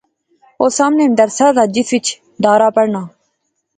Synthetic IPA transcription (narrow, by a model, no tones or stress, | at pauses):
oːsaːmneːənd̪əɾsaːd̪aːd͡ʒɪsʋɪt͡ʃ | d̪aːɾaːpəɽɳaː